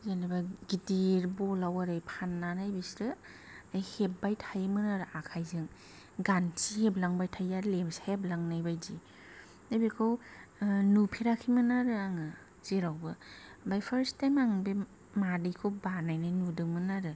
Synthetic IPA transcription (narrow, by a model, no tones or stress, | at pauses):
zanabaɡidiɾbɔlawaɾɯjpʰanːanajbisɾɯ | ajhep̚bajtʰajmɯnaɾɯʔakʰajzɯŋ | ɡant͡ʃiheblaŋbajtʰajaɾlemsheblaŋnajbajd͡ʒi | abekʰɯw | nupʰiɾakʰimɯnaɾɯaŋɯ | z̥iɾawbɯbajpʰəɾstajmaŋbe | madikʰobanajnajnudɯŋmɯnaɾɯ